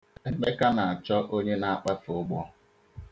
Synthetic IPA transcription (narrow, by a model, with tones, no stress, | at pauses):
e˨ɡ͡be˦ka˦na˨a˨t͡ʃɔ˦ʔo˦ɲe˦na˦a˦k͡pa˦fʊ˦ɡ͡bɔ˦